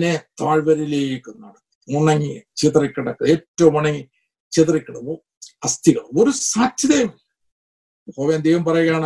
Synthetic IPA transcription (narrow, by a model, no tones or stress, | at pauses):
net̪aːɻʋɐɾileːiikːunːɐ̰ɽɐ | uɳːɐŋɡit͡ɕit̪rikːɐɽɐkːɨeːtːɐʋumɐɳɐŋɡi | t͡ɕit̪rikːɐɽɐo | ɐst̪iɣɐɭoɾusaːt̪jɐd̪ejʋɐm | hoːʋeːnd̪ejʋɐmpɐrɐjɣjaːɳ